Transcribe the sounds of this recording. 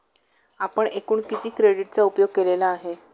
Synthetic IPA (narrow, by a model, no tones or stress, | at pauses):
apəɳekuːɳkit̪ʰiːkɾeɽiʈ̚t͡saupjoɡ̚kelelaːɦe